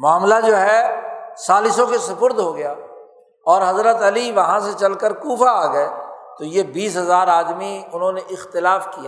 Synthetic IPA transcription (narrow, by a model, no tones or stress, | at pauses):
mʊaːmlad͡ʒoːɦɛsaːlɪs̬õkesɐpʊɾd̪ɦoɡɐjaː | ɔːɾɦɐzɾət̪ɐliʋɐɦãset͡ʃɐlkəɾkuːfaaːɡəet̪ojebiːsɦɐzaːɾaːd̪miʊnɦõneʔɪxt̪ɪlaːfkijaː